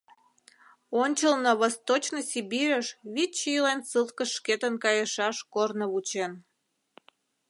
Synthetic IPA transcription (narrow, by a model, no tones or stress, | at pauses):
onʲt͡ɕəlnəβost̪ot͡ɕnosʲibiɾʲəʃβit͡ɕilensɨlˠkəʃket̪ənkɑjəʃɑʃkornəβut͡ɕen